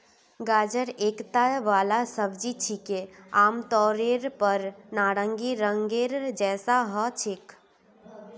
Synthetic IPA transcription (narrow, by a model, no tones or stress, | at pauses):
ɡaːd͡ʒəɾeːkt̪aːʋaːlasəbd͡ʒit͡ʃʰikeaːmt̪ɔːɾeɾpəɾnaːɾə̃ŋɡiɾə̃ŋɡeːɾd͡ʒɛːsaɦət͡ʃʰek